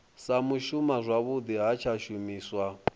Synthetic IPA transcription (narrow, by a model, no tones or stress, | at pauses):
samuʃumazʷaβud̪iɦat͡ʃʰaʃumiːswa